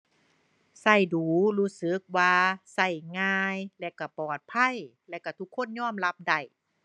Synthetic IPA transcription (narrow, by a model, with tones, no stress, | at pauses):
sa˧˩jduː˨˩luː˧˥sɯ˨˦k̚waː˧sa˧˩jŋaː˧jlɛ˧˨ka˧˩pɔː˨˩t̪̚pʰa˧˥˨jlɛ˧˨wka˧˩t̪ʰu˧˥kʰːo˧˥˨nɲɔː˥˨mla˧˥p̚da˧˩j